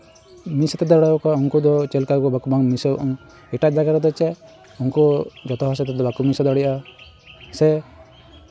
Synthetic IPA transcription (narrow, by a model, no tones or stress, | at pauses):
misɔt̪ɛd̪ɔɽakɔuŋkud̪ɔt͡ʃɛlkakɔbakubʱaŋmisɔʔɔŋ | ɛʈad͡ʒaɡaɾɔd̪ɔt͡ʃɛ | uŋkɔd͡ʒɔt̪ɔɦasɛt̪ɛd̪ɔbakumisɔd̪aɽiʔa | sɛ